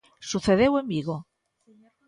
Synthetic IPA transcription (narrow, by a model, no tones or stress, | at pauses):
suθeðewembiɣo